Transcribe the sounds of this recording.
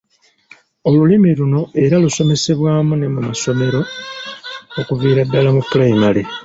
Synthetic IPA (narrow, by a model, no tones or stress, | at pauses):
o̞lulimiluno̞e̞ɾaluso̞me̞se̞βwaːmune̞mumaso̞me̞ɾo̞ | okuviːɾadːalamupulajimale